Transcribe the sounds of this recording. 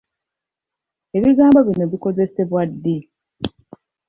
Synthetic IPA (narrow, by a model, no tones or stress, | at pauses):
e̞βiɡaːmboβinoβiko̞ze̞se̞βwadːi